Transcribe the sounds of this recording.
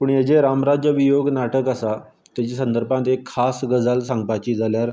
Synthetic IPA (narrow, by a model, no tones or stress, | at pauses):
puːɳjad͡ʑeɾamɾad͡ʑjəʋijoɡnaʈəkasa | t̪jat͡ɕiːsənd̪əɾpãt̪ekʰːasɡəd͡zalsãŋɡ̚pat͡ɕiːd͡zaljaɾ